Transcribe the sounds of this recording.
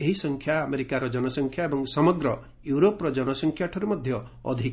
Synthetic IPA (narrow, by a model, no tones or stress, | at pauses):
eɦisɔŋkʰjaːmeɾikaɾɔd͡ʒɔnɔsɔŋkʰjaebɔŋsɔmɔɡɾɔ | juɾopɔɾɔd͡ʒɔnɔsɔŋkʰjaʈʰɔɾemɔd̪ʱjɔ | ɔ̰d̪ʱi